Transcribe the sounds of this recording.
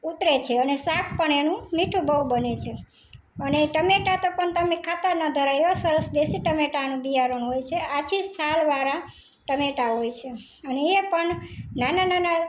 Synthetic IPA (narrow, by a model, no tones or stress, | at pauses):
ut̪ɾet͡ʃʰeənesakʰpəɳenũmiʈʰubʱəɦubənet͡ʃʰe | əneʈəmeʈat̪opəɳt̪əmekʰat̪anəd̪ʱəɾajosəɾəsd̪esiʈəmeʈanũbijaɾəɳ̃ɦojt͡ʃʰeat͡ʃʰisalʋaɾa | ʈəmeʈaɦojt͡ʃʰe | əneepəɳnananana